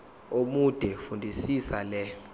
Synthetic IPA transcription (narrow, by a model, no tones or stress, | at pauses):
omud̥ʱɛfundʱisisalɛ